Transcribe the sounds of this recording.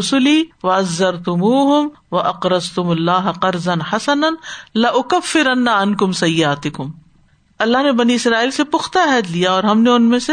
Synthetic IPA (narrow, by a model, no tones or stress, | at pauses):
ʊsʊliːwɐɐzːɐɾt̪ʊmuːɦʊm | ʋɐʔɐqɾɐzt̪ʊmʊlːaːɦɐqɐɾzɐnħasɐnɐnlɐʔʊkɐfːɪɾɐnːaɐnkʊmsɐjːɪaːt̪ɪkʊm | ɐlːaɦnebɐniɪsɾaːiːlsepʊxt̪aɦɛːd̪lijaɔːɾɦɐmneʊnmẽse